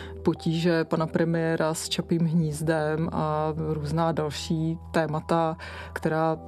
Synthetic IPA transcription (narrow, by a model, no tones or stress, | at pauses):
pociːʒɛpanapɾɛmɪjɛːɾʔast͡ʃapiːmɦɲiːzdɛmʔaɾuːznaːdalʃiːt̪ɛːmat̪a | kt̪ɛɾaː